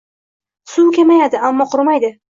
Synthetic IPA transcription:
sʊwkʲʰemajad̪ɪamːɒqʰʊɾmajd̪ɪ

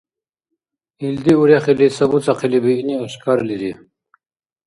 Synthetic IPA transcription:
ild̪iuɾjaχilisɐbut͡saqʰilibiːnioɕkaɾliɾi

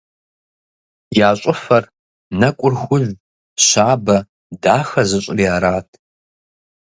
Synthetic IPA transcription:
jaːɕʼʊfɐr | nɐkʷʼʊrxʷʊʒʷ | ɕaːbɐ | daːxɐzɨɕʼɪriaːɾaːtʰ

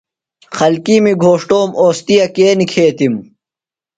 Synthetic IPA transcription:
xɐlkiːmiɡʱoːʂʈoːmoːst̪ijɐkeːnikʰeːt̪im

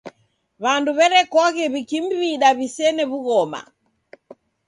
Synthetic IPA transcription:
βanduβɛɾɛkɔɣɛβikim̩βiɗaβisɛnɛβuɣɔma̰

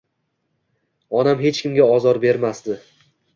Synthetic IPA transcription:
ɒnamɦe̞t͡ʃkʲɪmɡʲaɒzɒɾbe̞ɾmasd̪ɪ

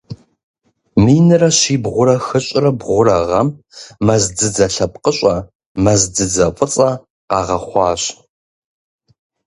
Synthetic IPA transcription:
miːnɨrɐɕiːbʁʷʊɾɐxɨɕʼɪrɐbʁʷʊɾɐʁɐm | mɐzdɨd͡zɐɬɐp̚ʼqəɕʼɐ | mɐzd͡zɨd͡zɐfʷʼɨt͡sʼɐ | qɑːʁɐχʷɑːɕ

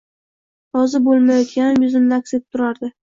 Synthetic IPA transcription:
ɾɒzɪbolˠmajɒt̪kʲanɪmjʊzɪmd̪akset̪ʰʊɾaɾd̪ɪ

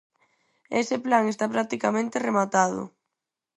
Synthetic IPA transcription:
eseplaŋest̪apɾak̚t̪ikamẽnt̪eremat̪aðʊ̰

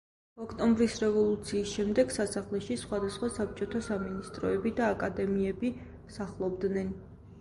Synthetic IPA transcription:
ɔkʰt̪ʼɔmbɾisɾɛvɔlˠut̪sʰiːsʃɛmd̪ɛɡ̥sasaχlɛʃisχwad̪asχwasap̚t͡ʃʼɔt̪ʰasaminist̪ʼɾɔɛbid̪aːkʼad̪ɛmiɛbi | msaχlˠɔbd̪nɛn

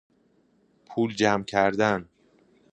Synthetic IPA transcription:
pʰuːld͡ʒæmcʰæɾd̪æn

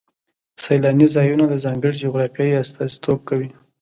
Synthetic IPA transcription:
sajlɑnizɑjunad̪əzɑmbɪɽd͡ʒoɣɾɑfjɑjiast̪ɑzit̪ob̚kawi

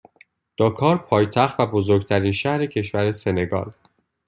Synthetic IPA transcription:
d̪̥ɒːkʰɒːɾpʰɒːjt̪ʰæxt̪væbozoɾɡt̪ʰæɾiːnʃæhɾecʰe̞ʃvæɾese̞ne̞ɡɒ̰ːl

